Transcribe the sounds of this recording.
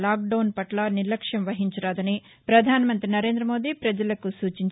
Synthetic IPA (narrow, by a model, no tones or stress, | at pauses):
laːk̚ɖɐwnpɐʈlaniɾlɐkʂjɐmʋɐɦiɲt͡ʃɐɾaːd̪ɐni | pɾɐd̪ʱaːnɐmɐnt̪ɾinɐɾe̞ːnd̪ɾɐmo̞ːd̪iːpɾɐd͡ʒɐlɐkusuːt͡ʃiɲ